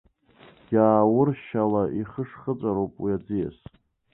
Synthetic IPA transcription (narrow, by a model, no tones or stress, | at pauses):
ɡ̥ʲaːwʊrʃalaʔiχəʂχət͡sʼaɾowpʼwiad͡zija̰s